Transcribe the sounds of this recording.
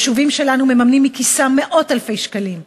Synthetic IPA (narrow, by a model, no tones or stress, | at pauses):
ʃuvimʃe̞lanume̞mamnimːikisame̞ʔo̞talfe̞jʃkalim